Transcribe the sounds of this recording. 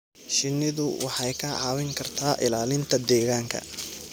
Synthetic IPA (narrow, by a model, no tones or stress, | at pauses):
ʃɪnːɪðʊ̰wʔɑħɑjkʰɐʕɑːwɪŋkʰɐrt̪ʰaːʔɪlaːlɪnt̪ʰɐd̪ɛːɣaːŋkʰɐ̰